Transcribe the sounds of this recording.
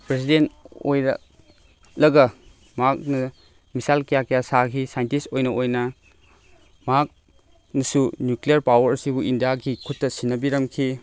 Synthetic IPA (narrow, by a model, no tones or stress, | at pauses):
pɾesidento̰jɾɐ̰ | lɐɡɐ | mak̚nɐ | misalkijakɐjasakʰisajntistojnɐʔojnɐ | mak̚ | nɐsunjuklijɐɾpawɐɾsibuʔindijaɡikʰutːɐsinːɐbiɾɐmkʰi